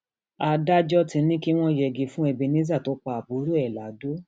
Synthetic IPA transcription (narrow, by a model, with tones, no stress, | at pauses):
a˧da˦d͡ʒɔ˦tĩ˧˦nĩ˦ki˦w̃ɔ̃˦jɛ˧ɡi˧fũ˦ɛ˧bi˧nĩ˦za˦˨to˨˦k͡pa˧a˨bu˨˦ɾu˦ɛ˦˨la˨˦do˦